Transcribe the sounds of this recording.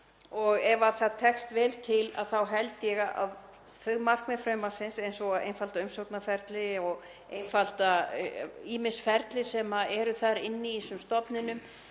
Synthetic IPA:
ɔɣɛvaθaðt̪ʰɛkst̪vɛːlt̪ʰɪla̰ðθawɦɛlt̪jɛɣaa̰ð | θœɣmar̥kmɛfɾœɥmasɪnsejnsɔɣaðḛjnfalt̪aʏmsowt̪nafɛɾt̪lɪɔɣ | ejnfalt̪a | iːmɪsfɛɾt̪lɪsɛmaɛɾʏθaɾɪnːɪːsʏmst̪ɔpnɪnʏm

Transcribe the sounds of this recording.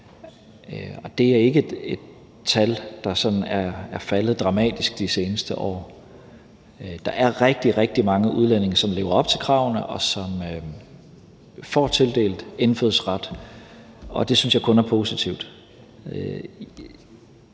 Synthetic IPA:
ɒ̽d̥e̝æɐe̝ɡ̥əde̝d̥ | t͡sʰæld̥ɑ̈sɒ̽d̥n̩æɐæɐfæləð̞̩ˠd̥ʁɑ̈mɛ̰ːd̥isɡ̥̚d̥ise̝ːnəsd̥əʔɒ̰ː | d̥ɑ̈ʔæɐʁɛɡ̥̚d̥iʁɛɡ̥̚d̥imɑ̈ŋəʔuð̞ˠlene̝ŋɐsɒ̽mle̝ːʊɐɒ̽b̥̚t͡sʰe̝lkʰʁɑ̰̈ʊnəʔɒ̽sɒ̽mø | fɒ̰ːt͡sʰe̝ld̥e̝̰ːld̥enføðˠsʁɑd̥ | ɒ̽d̥e̝synsjɑ̈ɪkʰɔ̽næɐpʰo̝ːsit͡sʰiʊd̥

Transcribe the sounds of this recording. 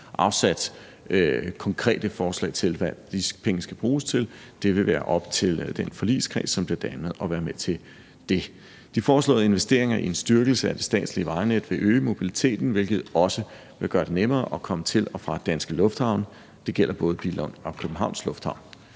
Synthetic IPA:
ʔɑ̈ʊsæd̥ | kʰɒ̽ŋkʰʁɛ̰ːd̥əfɒːslɛ̰ɪt͡sʰe̝lʋæd̥ipʰeŋəsɡ̥æb̥ʁuːst͡sʰe̝l | d̥e̝ʋe̝ʋæːɐʔɒ̽b̥t͡sʰe̝ld̥enfɒ̽lḭskʰʁḭːsːɒ̽mb̥leɐd̥æməð̩ˠɒ̽ʋæːɐmet͡sʰe̝ | d̥e̝ | d̥ifɒːslɔ̰̽ːðˠe̝nʋesd̥e̝̰ɐ̰eŋɐiensd̥yɐɡ̥l̩səæd̥e̝sd̥ɛ̰ːd̥sliəʋɑ̈ɪned̥ʋe̝ʔøːmo̝b̥ilit͡sʰe̝̰ːd̥n̩ʋe̝lɡ̥ð̞̩ˠɒ̽sə | ʋe̝ɡ̥ɶːɐd̥e̝nemɐːʔɒ̽kʰɒ̽mət͡sʰe̝lɒ̽fʁɑ̈d̥ænsɡ̥əlɔ̽fd̥hɑ̈ʊn | d̥e̝ɡ̥el̰ɐb̥ɔ̽ːðˠb̥ilɔnɒ̽kʰøb̥m̩ɦɑ̈ʊ̰nslɔ̽fd̥hɑ̈ʊ̰n

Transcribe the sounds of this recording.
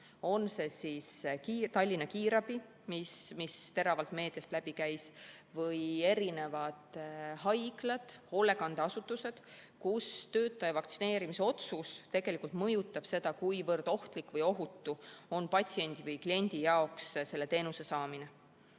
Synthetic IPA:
o̞nse̞siskiːt̪ɑlʲːinɑkiːɾɑb̥i | mismist̪e̞ɾɑvɑlt̪me̞ːd̪̥iɑst̪læb̥ikæjsvɤje̞ɾine̞vɑd̪̥hɑjklɑd̪̥ho̞lːe̞kɑnd̪̥eɑsut̪ːˑuse̞d̪̥kust̪ø̞ːt̪ːˑɑjɑvɑk̚t̪sine̞ːɾimise̞o̞t̪sust̪e̞ɡ̥e̞likult̪mɤjut̪ːˑɑb̥se̞d̪̥ɑkujvɤrd̪̥o̞ht̪likvɤjo̞ɦut̪ːuo̞npɑt̪ʲsie̞nʲd̪̥ivɤjklie̞nʲd̪̥ijɑo̞ksse̞lːe̞t̪e̞ːnuse̞sɑːmine

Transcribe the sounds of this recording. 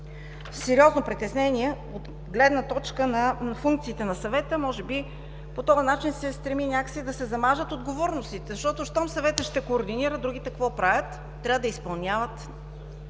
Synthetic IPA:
sɛɾiɔznopɾit̪ɛsnɛniɛ | ot̪ | ɡlɛd̪nət̪ɔt͡ʃkənɐfuŋkt̪siːt̪ɛnɐsɐvɛt̪əmɔʒɛbi | pot̪ɔɐnat͡ʃinsɛst̪ɾɛminʲjakə̥sɛd̪ɐsɛzɐmaʒət̪od̪ɡovɔɾnost̪it̪ɛzɐʃt̪ɔt̪oʃt̪ɔmsɐvɛt̪əʃt̪ɛkoːɾd̪iniɾəd̪ɾuɡ̟it̪ɛkvɔpɾavʲjət̪ː | ɾʲavəd̪ɐispɐlˠnʲjavət̪

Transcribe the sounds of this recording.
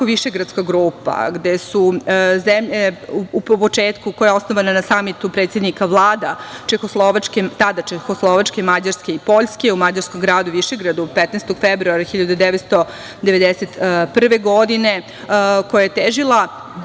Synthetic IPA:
koʋiʃeɡɾat̪skaɡɾuːpa̰ɡd̪esuzemʎeuupot͡ʂeːt̪kukojao̞snoʋananasamit̪upɾet̪sje̞d̪nikaʋlˠaːd̪at͡ʃexoslˠoʋat͡ʃket̪ad̪at͡ʃexoslˠoʋat͡ʂke̞mad͡ʑaɾske̞ipo̞ʎskeumad͡ʑaɾskomɡɾaːd̪uʋiʃeɡɾad̪upet̪neːst̪oɡ̥febɾuaɾaxiʎad̪ud̪eʋet̪st̪o | d̪eʋe̞d̪eset̪pr̩ʋeɡo̞d̪ine | kojajet̪eʒilˠa

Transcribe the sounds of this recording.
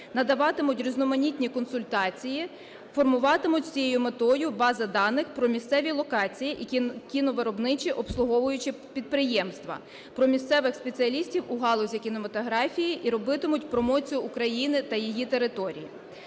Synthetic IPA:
nɐd̪ɐʋɑt̪ɪmʊtʲɾʲiznɔmɐnʲit̪ʲnʲikɔnsʊlʲt̪ɑt͡sʲiji | fɔrmʊʋɑt̪ɪmʊtʲsʲijejʊmet̪ɔjʊbɑzɐd̪ɑnːɪxpɾɔmʲist̪sɛʋʲilˠɔkɑt͡sʲijiʔikʲinɔʋeɾɔbnɪt͡ʃʲiʔɔpslˠʊɦɔʋʊjʊt͡ʃɪ | pʲid̪̚pɾɪjɛmst̪ʋɐ̰ | pɾɔmʲist̪sɛʋɪxspet͡sʲiɐlʲisʲtʲiwʊɦɑlˠɔzʲikʲinemɐt̪ɔɦɾɑfʲijiʔiɾɔbɪt̪ɪmʊtʲpɾɔmɔt͡sʲijʊːkɾɐjinɪt̪ɐjijit̪e̞ɾɪt̪ɔɾʲḭjḭ

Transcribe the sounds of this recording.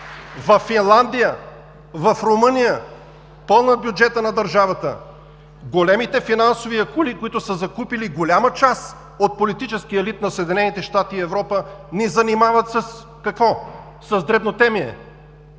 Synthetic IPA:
vɐfːinlˠand̪ijə | vɐfɾomɤnijə | pɤlˠnəbjud͡ʒɛt̪ənɐd̪ɐɾʒavət̪ə̰ | ɡolɛmit̪ɛfinansoviɐkulikoit̪ʊsəzɐkupiliɡolʲamət͡ʃas | ot̪̚polit̪it͡ʃɛsk̟iəɛlit̪̚nɐsəɛd̪inɛnit̪ɛʃt̪at̪iːɛvɾɔpənizɐnimavət̪səs | kɐkvɔ | sɐzd̪ɾɛbnot̪ɛmiɛ̰

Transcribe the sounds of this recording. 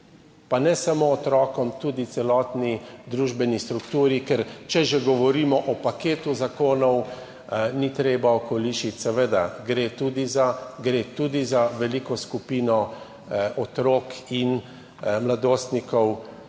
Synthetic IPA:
panɛsamoːt̪ɾɔːkɔmt̪uːd̪it̪sɛlɔːt̪nid̪ɾuːʒbɛnist̪ɾukt̪uːɾikɛɾt͡ʃɛʒɛɡɔʋɔɾiːmɔʔɔpakeːt̪uzakoːnɔw | nit̪ɾeːbaɔkɔliːʃit̪ʲsɛʋeːd̪a̰ɡɾeːt̪uːd̪izaɡɾeːt̪uːd̪izaʋɛliːkɔskupiːnɔ | ɔt̪ɾoːkin | mlad̪oːst̪nikɔw

